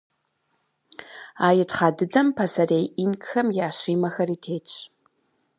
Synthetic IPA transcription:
aːjɪtχɑːdɨdɐmpʰɐsɐreːjʔinkxɐmjaːɕiːmɐxɐriːtʰeːt͡ʃʼ

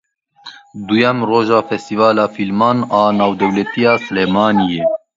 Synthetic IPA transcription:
d̪ujɛmroːʒɑːfɛst̪ivaːlɑːfilmɑːnɑːnɑːwd̪ɛwlɛt̪ijɑːsɨleːmɑːnijeː

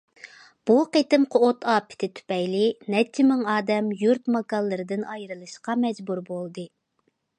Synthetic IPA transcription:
b̥uqet̪ɪmqʰoot̪ʰɑːpʰɪ̥t̪ʰɪt̪ʰy̥pɛjlɪnɛt͡ʃʰːɪmɪŋɑːd̪ɛmjuɾt̪mɑkɑlˠːɨɾɨd̪ɨnɑjɾɨlˠɨʃqɑmɛd͡ʒbuɾbolˠd̪ɨ

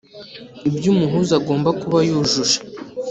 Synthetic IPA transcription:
ibjuːmuɦuːzaɡo̞ːmbakuβajuːʒuʃḁ

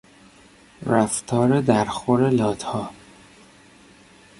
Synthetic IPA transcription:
ɾæft̪ʰɒːɾed̪æɾxoɾelɒːt̪hɒː

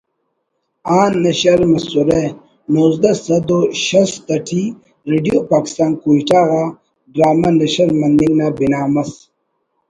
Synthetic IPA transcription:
aːnːɐɕɐɾmɐsuɾe | nozd̪ɐsɐd̪oʃɐst̪ɐʈʰi | ɾeɖijopaːki̥st̪aːnkuiʈaːɣa | ɖɾaːmanɐɕɐɾmɐnd̪iŋɡnabinaːmɐs

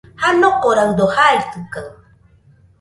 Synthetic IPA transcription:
hanoqoɾaŋd̪ohaɾt͡sɨka

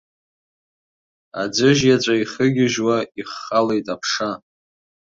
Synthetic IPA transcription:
a̰d͡zʷɨʒjat͡ʃʷʼaiχəɡʲɪʒwaiχːalejtʼapʰʂa

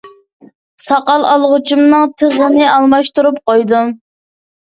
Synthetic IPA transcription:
sɑqɑlˠɑlˠʁʊt͡ʃʰumnɨŋt̪ʰəʁlɨnɨʔɑlˠmɑʃt̪uɾup̚qojd̪um

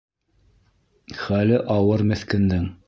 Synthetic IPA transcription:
χælɘʔɑwɤɾmɘ̆θkɘ̆nd̪ɘŋ

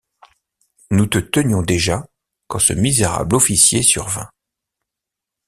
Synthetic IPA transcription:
nut̪ət̪ənjɔ̃d̪eʒa | kɑ̃sə̰mizeʁa̰blɔfisjesyʁvɛ̰̃

